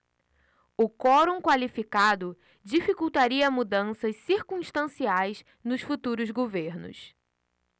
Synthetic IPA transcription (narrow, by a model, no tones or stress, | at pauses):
ʊkɔɾõkwalifikad̪ʊ | d͡ʒifikuwt̪aɾiɐmud̪ɐ̃sɐssiɾkũʃt̪ɐ̃siajs | nʊsfut̪uɾʊzɡoveɾnʊ̰s